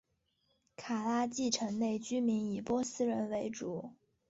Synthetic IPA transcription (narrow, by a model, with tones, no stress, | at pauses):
kʰa˨˩la˥t͡ɕi˥˩ʈ͡ʂʰɤ˧˥ŋne˥˩ɪt͡ɕy˥mi˧˥ni˨˩pwɔ˥sɹ̩˥ɻə˧˥nwe˧˥ɪʈ͡ʂu˨˧˩